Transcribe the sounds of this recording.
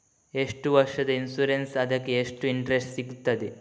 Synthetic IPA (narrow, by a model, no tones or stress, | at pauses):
eʂʈuʋɐɾʂɐd̪ɐinsuɾensɐd̪ɐkːeːʂʈuiɳʈɾesʈsiɡut̪ːɐd̪e